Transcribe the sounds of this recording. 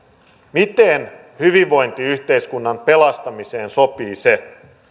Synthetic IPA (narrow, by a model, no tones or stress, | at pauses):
mit̪en | hyʋiʋʋo̞jnt̪iyçt̪e̞ijskunːɑmpe̞lɑst̪ɑmise̞ːnso̞piːse̞